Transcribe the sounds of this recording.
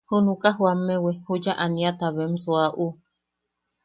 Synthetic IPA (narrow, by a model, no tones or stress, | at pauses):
hunukaɦwamːewehud͡ʒaʔaniat̪aβemsoaʔu